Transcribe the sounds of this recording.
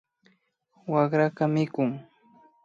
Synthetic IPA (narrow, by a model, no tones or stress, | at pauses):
wɑχɾakamɪkʊŋ